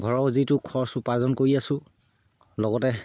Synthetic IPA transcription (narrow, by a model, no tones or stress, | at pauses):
ɡʱɔɹɔzitʊkʰɔɹsʊpazɔnkoɹiasʊ̃ | lɔɡɔtɛ